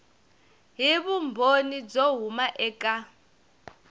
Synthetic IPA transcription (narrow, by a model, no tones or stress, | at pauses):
ɦiβumbʱonid͡zoɦumaʔɛkʼa